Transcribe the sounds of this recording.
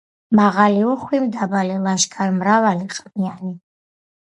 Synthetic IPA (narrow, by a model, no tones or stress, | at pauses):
maʁaliuχwimd̪abalilaʃɡʰʼarmɾavaliqʼmiani